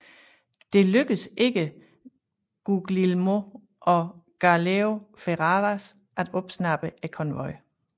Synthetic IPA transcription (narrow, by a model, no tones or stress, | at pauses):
d̥e̝løɡ̥əse̝ɡ̥ə | ɡ̥uɡ̥lilmo | ʔɒ̽ɡ̥ɑleo̝feʁɑʁæs | ʔæd̥ɔ̽b̥snɑ̈b̥əʔækʰɒ̽nʋɒɪ̰